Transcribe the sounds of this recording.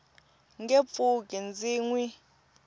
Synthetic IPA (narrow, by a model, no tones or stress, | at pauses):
ŋɡep̪fukʼɛnd͡ziːŋwi